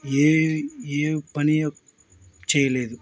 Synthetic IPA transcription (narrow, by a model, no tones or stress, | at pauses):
eːeːpɐnɪjɐ | t͡ʃɛjːɐleːðɯ